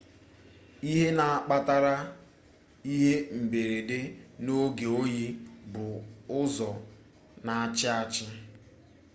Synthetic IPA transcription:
i˦ɦe˦na˨a˦k͡pa˦ta˦ɾa˦ | i˦ɦe˦m̩˨be˨ɾe˨de˦no˦ɡe˨o˦ji˦bʊ˨ʊ˦zɔ˨ | na˨a˦t͡ʃɪ˦a˦t͡ʃɪ˦

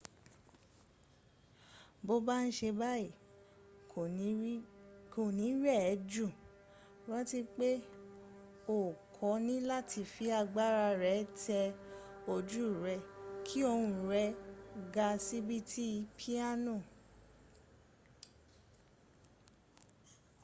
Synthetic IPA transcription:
bo˦ba˦n̩˦ʃe˧ba˦i˦˨˦ | ko˨nĩ˨˦ɾɛ˦˨˦d͡ʒu˦˨ | wã˦ti˦k͡pe˦ | o˨kʰɔ˨˦nĩ˦la˦˨tʰi˧˨fi˨˦a˧ɡ͡ba˦ɾa˧ɾɛ˨˦tʰɛ˧o˧˨d͡ʒu˦˨ɾɛ˧˦kʰi˦o˧ɾũ˧˨ɾɛ˧˦ɡa˧si˦bi˦tʰi˦i˧pʰi˦a˦nũ˦˨

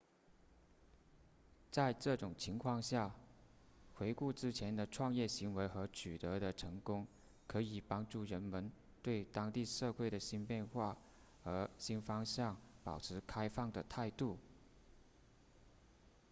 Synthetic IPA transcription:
t͡sa˥˧ɪʈ͡ʂɤ˥˩ʈ͡ʂʊ˨˩ŋt͡ɕʰi˧˥ŋkʰwɑ˥˧ŋɕja˥˩ | xwe˧˥ɪku˥˩ʈ͡ʂɻ̩˥t͡ɕʰjɛ˧˥nd̪ə˧ʈ͡ʂʰwɑ˥˧ŋjɛ˥˩ɕi˧˥ŋwe˧˥ɪxɤ˧˥t͡ɕʰy˨˩t̪ɤ˧˥d̪ə˧ʈ͡ʂʰɤ˧˥ŋkʊ˥ŋ | kʰɤ˧˥i˨˩pɑ˥ŋʈ͡ʂu˥˩ɻə˧˥nmə˧˥n | t̪we˥˩ɪt̪ɑ˥ŋt̪i˥˧ʂɤ˥˧xwe˥˩ɪɾə˩ɕi˥npjɛ˥˧nxwa˥˩ | ə˞˧˥ɕi˥nfɑ˥ŋɕjɑ˥˩ŋpɑ˨˩ʊʈ͡ʂʰɻ̩˧˥kʰa˥ɪfɑ˥˩ŋd̪ə˩t̪ʰa˥˧ɪt̪u˥˩

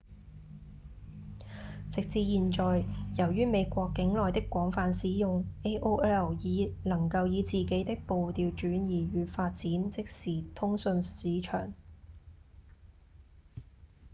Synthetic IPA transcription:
t͡sɪ˨k̚t͡siː˧jiː˨nt͡ʃɔː˨jjɐ˨˩wɥyː˥me˨˧jkʷɔː˧kːɪ˨˥ŋlɔː˨jt̪ɪ˥kːʷɔː˨˥ŋfaː˨˧nsiː˨˥jʊ˨ŋʔe˥ʔo˥wɛ˥ɛ˨˩wjiː˨˧nɐ˨˩ŋkɐ˧wjiː˨˧t͡siː˨˩ke˨˥jt̪ɪ˥k̚po˨wt̪iː˨˧wt͡ʃyː˨˥njiː˨˩ɥyː˨˧faː˧t̚t͡siː˨˥nt͡sɪ˨k̚siː˨˩t̪ʰʊ˥ŋsɵ˧nsiː˨˥t͡ʃʰœ̰ː˨˩ŋ

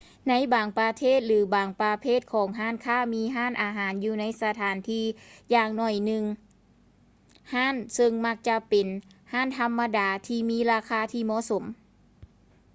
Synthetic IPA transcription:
na˧˥jbaː˨˩ŋpɾa˧t̪ʰeː˥˩˨t̪̚lɯː˨˩˦baː˨ŋpa˧pʰeː˥˩t̪̚kʰɔː˨˩˦ŋɦaː˧˥˩nkʰaː˧˥˩miː˧˥ɦaː˥˨nʔaː˨˧ɦaː˨˦njuː˧na˧˥jsa˧t̪ʰaː˨˦nt̪ʰiː˧˩jaː˧ŋnɔ˧˩jnɯ˧ŋ | haː˥˨nsɤ˧ŋma˧k̚t͡ɕa˧pe˨˩nhaː˧˥˨nt̪ʰa˧mːa˧daː˨˦t̪ʰiː˧miː˧˥˨ɾaː˧kʰaː˧˥t̪ʰiː˧˩mɔː˧˥˨so˩˦m

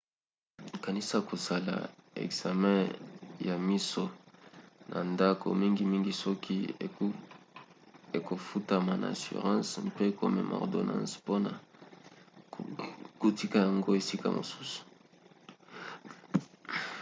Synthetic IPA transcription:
ka˨ni˦sa˨ko˨sa˨la̰˨ḛ˨ɡz̥a˨mɛ̃˦ja˨mi˦so˨ | nʔa̰˨nda˦ko̰˨mi˦ŋɡi˨mi˦ŋɡi˨sɔ˦kʰi˦ | e˨ko˨fu˦ta˨ma˨nʔa̰˨a˨sy̰˨ʁɑ̃˦spe˦ko˨mɛ̰˦mɔ̰˨ʁdo˨nɑ̰̃˦spo˦na̰˨ | ɡu˨ti˦ka˦˨ja˨ŋɡo˦e˨si˦ka̰˨mo̰˨su̥˦su̥˨

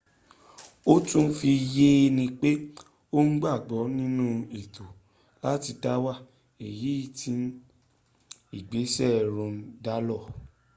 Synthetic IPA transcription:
o˦tũ˦n̩˦fi˧je˦˧nĩ˧k͡pe˦ | o˦n̩˦ɡ͡ba˦˨ɡ͡bɔ˨˦nĩ˦nũ˦e˨to˨ | la˦ti˧da˦wa˦˨ | e˨ji˨˦i˦˨tĩ˧n˦ | i˦˨ɡ͡be˨˦sɛ˦˨ɾũ˧˦da˦lɔ˦˨

